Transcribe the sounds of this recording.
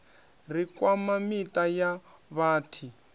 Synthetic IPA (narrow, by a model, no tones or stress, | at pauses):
r̤ikwamamitajaβaːtʰi